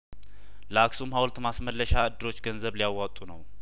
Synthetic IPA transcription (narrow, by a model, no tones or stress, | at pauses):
laksumhawlt̪masməlːəʃaɨd̪ːɨɾo̞t͡ʃːɡənzəβlijawːat̪ʼːunəw